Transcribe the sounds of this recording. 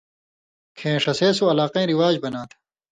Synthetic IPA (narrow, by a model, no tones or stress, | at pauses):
kʰẽːʂɐseːsoɐlaːqẽːɾiwaːd͡ʑbɐnaːt̪ʰɐ̥